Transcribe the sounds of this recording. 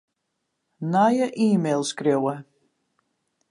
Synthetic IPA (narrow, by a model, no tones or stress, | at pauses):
najəʔiːmelˠskrewə